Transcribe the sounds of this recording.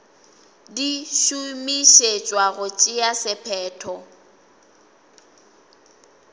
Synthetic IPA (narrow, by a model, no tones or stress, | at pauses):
diʃumiʃet͡ʃʼwaɣʊt͡ʃʼɪasɪpʰɛːtʰɔ